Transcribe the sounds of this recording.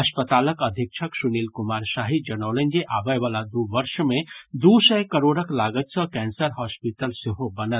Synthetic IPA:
ɐspət̪aːləkəd̪ʱik̚t͡ʃʰəksuniːlkumaɾsaɦid͡ʒənəʊlənd͡ʒeʔaʋəjʋalad̪uʋəɾʃmẽd̪usəjkəɾoːɽəklaɡət̪sə̃kɛnsəɾɦɔspiʈəlseɦobənət̪

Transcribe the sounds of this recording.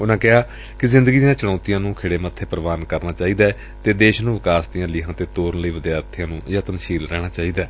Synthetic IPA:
ʊnãːkɪɦaː | kɪzɪ̃nd̪əɡiːd̪ɪjãːt͡ʃəɽãːt̪ɪjãːnũːkʰɪːɽeːmət̪ʰːeːpəɾəʋaːnkəɾnaːt͡ʃaːiːd̪aː | t̪eːd̪eːʃnũːʋɪkaːsd̪ɪjãːlɪɦãːt̪eːt̪oːɾənləiːʋəd̪jaːɾt̪ʰɪjãːnũːjaːt̪ənʃiːlɾɛːɽ̃aːt͡ʃaːiːd̪aː

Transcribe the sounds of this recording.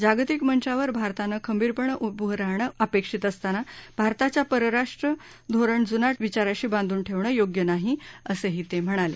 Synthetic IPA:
d͡ʑaɡt̪ikmənt͡ɕaʋəɾbʱaɾt̪anəkʰəmbiːɾpəɳəʔut̪̚buɦɾaɦɳəəpekʂit̪əst̪anabʱaɾt̪at͡ɕjapəɾəɾaʂʈɾə | d̪ʱoɾəɳd͡zunaʈʋit͡ɕaɾaɕiːbãnd̪ʱuːnʈʰeʋɳəjoɡjənaɦiəseɦiːt̪em̤əɽ̃alḛ

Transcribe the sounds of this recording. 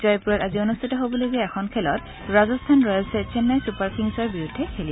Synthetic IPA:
zɔjpuɹɛtazionustʰitɔɦobɔlojɡɛɛxʰɔnkʰɛlɔt | ɹazɔstʰanɹɔjsɛt͡ʃɛnːajsupaɹkʰiŋsɔɹbiɹudʱːɛkʰeli

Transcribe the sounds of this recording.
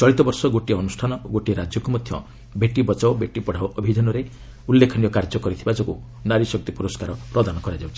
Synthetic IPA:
t͡ʃɔɭit̪ɔbɔɾsɔɡoʈiɔnusʈʰanɔoɡoʈiɾad͡ʒjɔkumɔd̪ʱjɔ̰ | beʈibɔt͡ʃawbeʈipɔɽ̤awʔɔbʱid͡ʒanɔɾe | ulːekʰɔnijɔkaɾd͡ʒɔkɔɾit̪ʰibad͡ʒɔku | naɾisɔk̚t̪ipuɾɔskaɾɔpɾɔd̪anɔkɔɾad͡ʒawt͡ʃʰi̥

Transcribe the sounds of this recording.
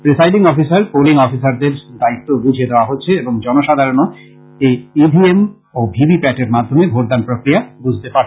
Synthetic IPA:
pɾisajɖiŋɔfisaɾpoliŋɔfisaɾd̪eɾd̪ait̪ːoɡud͡ʑʱed̪eoaɦotːɕʰeeboŋd͡ʑɔnoʃad̪ʱaɾono | ejibʱiem | obʱibipɛʈeɾmad̪ʱːomebʱoɾd̪anpɾokɾiabud͡ʑʱt̪epaɾ

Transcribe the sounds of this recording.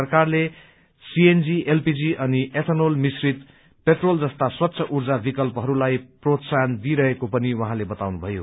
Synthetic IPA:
ʌrkarle | siend͡zielpid͡ziʔʌniʔepʰenolmisrit̪ | peʈrold͡zʌst̪aswʌt̪ːsʰʌʔurd͡zabikʌlpʌɦʌɾulajprot̪sand̪iɾʌɦekopʌniwʌɦãlebʌt̪awnubʱʌjo̰

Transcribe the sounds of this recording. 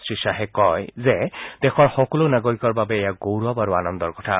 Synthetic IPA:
sɹisaɦɛkɔjzɛd̥ɛxɔɹxɔkɔlonaɡoɹikɔɹbabɛejaɡowɹuabaɹuanɔnd̪ɔɹkɔ̥tʰa̰

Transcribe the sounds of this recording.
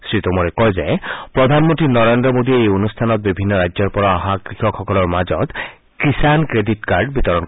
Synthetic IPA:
sɹit̪ɔmɔɾekɔzepɾɔd̪ʱanmɔnt̪ɾinɔɾend̪ɾɔmod̪ieejonust̪ʰanɔt̪̚bibʱinːɔɾajd͡ʒd͡ʒɔɾpɔɾɔaɦakɾixʰɔkxɔkɔlɔɹmad͡ʒɔt̪ | kisankɾeditkaɾɖbit̪ɔɾɔn

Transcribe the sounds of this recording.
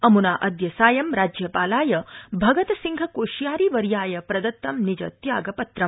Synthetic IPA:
ɐmunaːʔɐd̪jɐsaːjɐmɾaːd͡ʒjɐpaːlaːjɐbʱɐɡɐt̪ɐsiŋɡʱɐkoːʃjaːɾiʋɐɾjaːjɐpɾɐd̪ɐt̪ːɐmnid͡ʒɐt̪jaːɡɐpɐt̪ɾɐm

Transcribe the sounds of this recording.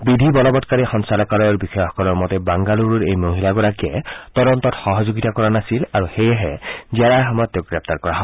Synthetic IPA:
bidʱibɔlɔbɔtkaɹixɔnsalɔkaɹɔjɔɹbixɔjxɔ̥kɔlɔɹmɔtɛbaŋɡaluɹuɹejmoɦilaɡɔɹakiɛtɔdɔntɔtxɔɦɔzoɡitakɔɹanasilaɹuxejɛɦɛziaɹaxɔmɔjɔt̚ːeɡɹɛp̚taɹkɔɹaɦɔ

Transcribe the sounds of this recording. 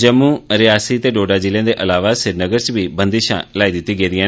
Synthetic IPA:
d͡ʒəmũːɾɪjaːsiːt̪eːɖoːɖaːd͡ʒilẽːd̪eːʔəlaːʋaːsɪɾnəɡəɾt͡ʃbiːbənd̪iːʃã̰ːlaːiːd̪ɪt̪ːiːɡeːd̪ɪjãː

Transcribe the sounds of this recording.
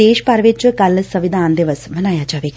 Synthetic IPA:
eːʃpɐɾʋɪt͡ʃkɐlsəʋɪd̪ʱaːnd̪ɪʋəsmɐnaːjaːd͡ʒaːʋeː

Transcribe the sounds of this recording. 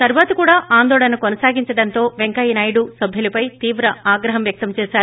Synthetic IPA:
t̪ɐɾuʋaːt̪ɐkuːɽaːʔaːnd̪ɔːɭɐnɐkonɐsaːɡiɲt͡ʃɐɽɐnt̪o̞ːʋeŋkɐjnɐjɽusɐbʱilɐpɐjt̪iːʋɾɐaːɡɾɐɦɐmʋjɐk̚t̪ɐmt͡ʃɛːsaːɾu

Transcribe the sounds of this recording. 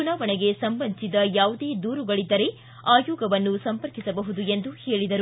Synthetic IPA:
ɡunaːʋɐɳeɡe̞sɐmbɐnsid̪ɐjaːʋud̪eːd̪uːɾuɡɐɭid̪ːɐɾe̞ | aːjoːɡɐʋɐnːusɐmpɐɾkisɐbɐɦud̪ue̞nd̪uheːɭid̪ɐɾu

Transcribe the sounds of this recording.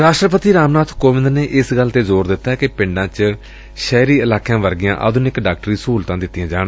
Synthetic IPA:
ɾaːʃʈɾəpət̪iːɾaːmnaːt̪ʰkoːʋɪ̃nd̪neːʔɪsɡəlt̪eːzoːɾd̪ɪt̪ːaːkɪpɪ̃ɳɖãːt͡ʃ | ʃɛːɾiːɪlaːkʰjãːʋəɾɡɪjãːʔə̰d̪ʊnɪkɖaːk̚ʈəɾiːsuːlt̪ãːd̪ɪt̪ːɪjãːd͡ʒaːɽ

